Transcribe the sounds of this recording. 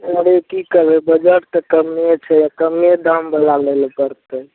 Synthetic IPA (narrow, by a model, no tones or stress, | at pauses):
oɽekikəɾbɛbəd͡ʒəʈt̪əkəmet͡ʃʰɛjakəmed̪ambəlalelpəɾt̪ə